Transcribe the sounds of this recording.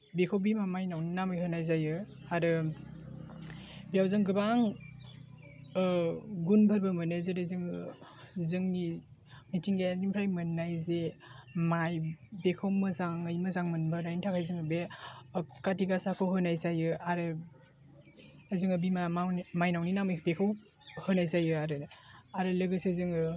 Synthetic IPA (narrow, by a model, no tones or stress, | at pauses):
bekʰawbimamajnawninamɯjɦɯnajzajɯ | aɾɯ | bijawzɯŋɡɯbaŋ | ɡunbʱəɾbɐmɯnezeɾezɯŋɯzɯŋnimitʰiŋɡeanimpʰɾajmɯnːajzemajbekʰawmɯzaŋɯjmɯzaŋmɯnbɯɾajntʰakʰajzɯŋɯbe | katiɡasakʰɯwɦɯnajsajɯaɾɯ | azɯŋɯbimaawmajnawninamibekʰɯw | hɯnajsajɯaɾɯaɾɯlɯɡɯsezɯŋɯ